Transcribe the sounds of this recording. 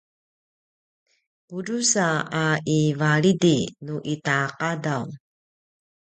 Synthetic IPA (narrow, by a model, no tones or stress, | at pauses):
pudusaaʔivaɭidinuʔitaqadaw